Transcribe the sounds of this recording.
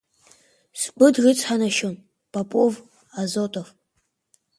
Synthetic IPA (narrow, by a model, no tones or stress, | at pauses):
sɡ͡bʷʊdrɨt͡sʼʰħanaʃon | pʼapʼov | azotʼof